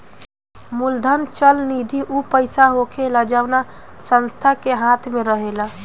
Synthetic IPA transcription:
muld̪ʱənt͡ʃəlnid̪ʱiʔupəɪsaɦokelad͡ʒaʊna | sə̃nst̪ʰakeɦãːt̪ʰmẽɾəɦela

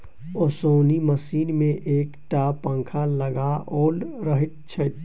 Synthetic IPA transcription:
osoːniməsiːnmẽʔeːkʈaːpə̃ŋkʰaləɡaɔːlɾəɦɪt̪̚t͡ʃʰət̪

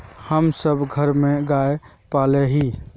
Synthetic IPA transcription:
həmsəbʱɡʱəɾmeɡae | palɛɦi

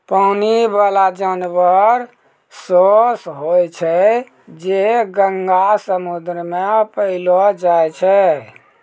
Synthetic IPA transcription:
pəʊnibalad͡ʒanʋəɾ | sosɦojt͡ʃʰɛ | d͡ʒeɡəŋɡasəmud̪ɾəmepəɪlɔd͡ʒajt͡ʃʰɛ

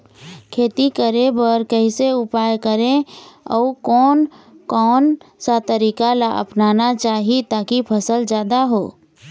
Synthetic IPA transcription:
kʰeːt̪ikəɾẽbəɾkəɦiseʊpaːjkəɾẽɔ̰ːkːnkɔːnsat̪əɾiːkalaʔə̰pnaːnat͡ʃaːɦit̪aːkipʰəsəld͡ʒjaːd̪aɦoː

